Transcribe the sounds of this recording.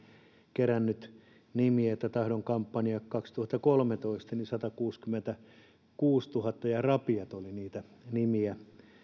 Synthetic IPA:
kerænːyt̪ | nimiæet̪ːæt̪ɑhdoŋkɑmpːɑniɑkkɑkst̪uhɑt̪ːɑkolmet̪oist̪ɑnisɑt̪ɑkuːskymːent̪æ | kuːst̪uhɑt̪ːɑjɑrɑpiɑt̪oliniːt̪æ | nimiæ

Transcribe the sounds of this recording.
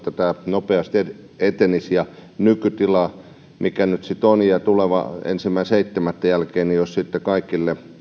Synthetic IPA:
t̪æt̪æːnopeɑst̪e | et̪enisjɑnykyt̪ilɑ | mikænyt̪sit̪onjɑt̪uleʋɑ̰ḛnsimːæseit̪ːemæt̪ːæjælkeːnijossit̪ːekɑikilːe

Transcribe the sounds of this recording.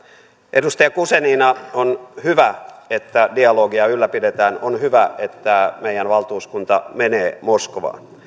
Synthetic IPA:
ʔedust̪ɑjɑkuseniːnɑonhyʋæet̪ːædiɑloːɡiɑylːæpidet̪æːnonhyʋæet̪ːæmeijænʋɑlt̪uːskunt̪ɑ̰meneːmoskoʋɑ̰ːn

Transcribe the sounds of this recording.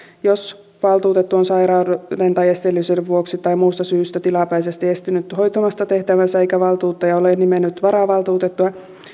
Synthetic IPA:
jos | ʋɑlt̪uːt̪et̪ːuonsɑiɾɑːdent̪ɑjest̪elːyseʋʋuoksit̪ɑimuːst̪ɑsyːst̪æt̪ilɑpæisest̪iest̪inyt̪ho̞jt̪omɑst̪ɑt̪e̞ht̪æʋænsæeikæʋɑlt̪uːt̪ːɑjɑoleˑnnimenːyt̪ʋɑɾɑʋɑlt̪uːt̪et̪ːuɑ

